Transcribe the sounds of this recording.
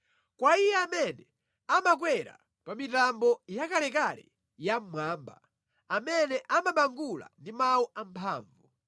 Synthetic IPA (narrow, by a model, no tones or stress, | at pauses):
kwaijɛamɛnɛ | amak̬wɛɾa̰ | pamitambɔjakalɛkalɛ̰ | jam̩mwaːmba̰ | amɛnɛʔamaɓaŋɡula̰ndimawuʔam̩pʰa̰ːɱvu